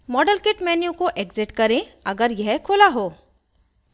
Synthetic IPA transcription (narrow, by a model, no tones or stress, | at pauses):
mɔːɖəlkeʈmɛːnjũkoʔeːɡzɪʈkɐɾẽɐɡəɾjɛɦkʰoːlaɦoː